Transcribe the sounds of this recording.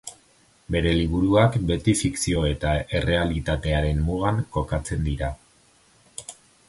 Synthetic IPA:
be̞ɾe̞liβ̞uɾuakbe̞t̪ifiksio̞e̞t̪aʔe̞re̞alit̪at̪e̞aɾe̞mmuɣaŋko̞kat͡se̞nd̪iɾa

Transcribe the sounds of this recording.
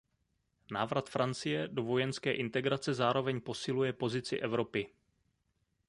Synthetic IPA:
na̰ːvɾat̪fɾʔant͡sɪjɛdo̞vo̞jɛnskɛːʔɪnt̪ɛɡɾat͡sɛzaːɾo̞vɛɲpo̞sɪlujɛpo̞zɪt͡sɪ̰ʔɛvɾo̞pɪ

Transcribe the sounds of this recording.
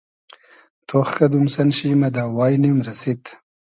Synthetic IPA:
t̪ʰoχkɐd̪umsɐnɕimɐd̪aːwaːjnimɾɐsit̪

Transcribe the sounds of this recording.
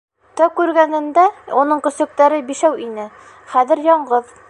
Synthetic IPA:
t̪ɒw̚kʉɾɡænɘ̆nd̪æunɤɴkɵ̆sɵ̆k̚t̪æɾɘbiʃæwinɘ | χæðɘ̆ɾjɒɴɢɤð

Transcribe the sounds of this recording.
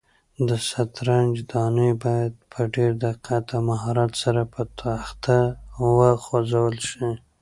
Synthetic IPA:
d̪əsat̪ɾand͡ʒd̪ɑnəjbɑjad̪̚pʰəɖeɾd̪aqʰat̪amaɦɑɾat̪saɾapət̪ʰaxt̪ʰawəxozawəlʃi

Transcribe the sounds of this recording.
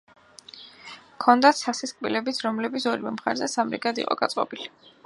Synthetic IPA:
kʰɔnd̪at̪sasiskʼbilɛbit̪sʰɾɔmlɛbit̪sʰɔɾiwɛmχa̰ɾzɛsamɾḭɡad̪ḭqʼɔ̰ɡ̥at̪sʼqʼɔ̰bili

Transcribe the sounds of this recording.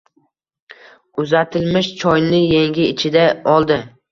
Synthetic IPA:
ʊzat̪ʰɪlmɪʃt͡ʃʰɒjnɪjeŋɡʲɪːt͡ʃʰɪd̪aɒlˠd̪ɪ

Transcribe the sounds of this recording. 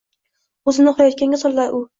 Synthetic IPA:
ɵzɪnɪχɒjɒt̪̚kʲaŋɡʲasɒllaɾʊ

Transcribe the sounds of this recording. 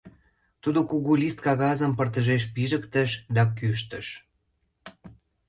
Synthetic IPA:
t̪ud̪okuɣulist̪̚kɑɣɑzəmpərt̪əʒeʃ̬piʒəkt̪ə̆ʃd̪ɑkyʃ̬t̪ə̆ʃ

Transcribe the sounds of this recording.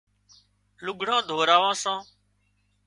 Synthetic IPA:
lʊɠʱɳãːd̪ʱoːɾaːʋãːsãː

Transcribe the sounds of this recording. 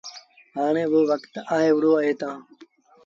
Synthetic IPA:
ɦaːɳ̃ẽːʋoːʋəkt̪aːɦeːʋʊɽoːaːɦeːt̪ãː

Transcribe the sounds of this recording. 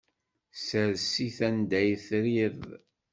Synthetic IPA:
səɾsiθænd̪æjθɾið

